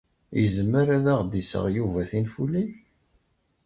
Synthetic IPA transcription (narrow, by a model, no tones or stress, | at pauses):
jəzmːəɾaðaʁd̪isə̰ʁjuvæθinfuliç